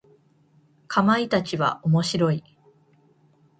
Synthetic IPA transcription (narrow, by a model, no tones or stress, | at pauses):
kʰamait̪at͡ɕiβa̰ʔomo̞ɕiɾo̞i